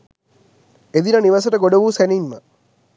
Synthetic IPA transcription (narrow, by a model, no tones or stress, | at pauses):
ed̪inəniʋɐsəʈəɡoɖoʋuːsænimːə